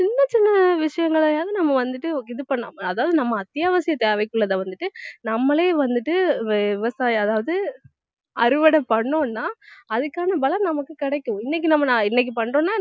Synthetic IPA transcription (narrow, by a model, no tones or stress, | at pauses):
t͡ʃɪnːɐt͡ʃɪnːɐʋɪʂɐjɐŋɡɐɭajaːðɯnɐmːɐʋɐnd̪ɯʈːɯɪðɯpɐɳːa̰ːmɐːðaːʋɐðɯnɐmːɐːt̪jaːʋɐsɪjɐt̪eːʋɐɪkːɯɭːɐðãːʋɐnd̪ɯʈːɯnɐmːɐɭeːʋɐnd̪ɯʈːɯɪʋɐsaːjɐðaːʋɐðɯ | ɐɾɯʋɐɽɐpɐɳːoːnːaːɐðɯkːaːnɐbɐlɐɾnɐmɐkːɯkɪɽɛkːɯ̃ɪnːɛk̬ʲːɯnɐmːɐnãːɪnːɛk̬ːɯpɐɳrõːnːaː